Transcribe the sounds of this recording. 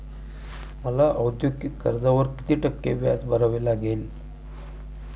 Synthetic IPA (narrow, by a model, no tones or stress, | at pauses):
məlaʔəwd̪jokikːə̰ɾd͡zaʋəɾki̥t̪iːʈəkːeʋja̰t͡sbʱəɾaʋelaɡel